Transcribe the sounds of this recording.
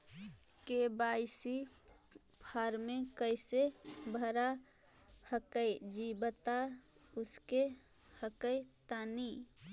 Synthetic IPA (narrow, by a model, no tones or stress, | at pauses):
kebaɪsi | pʰaɾmẽkəɪsebʱəɾa | həkəjd͡ʒibət̪a | ʊske | həkəjt̪ani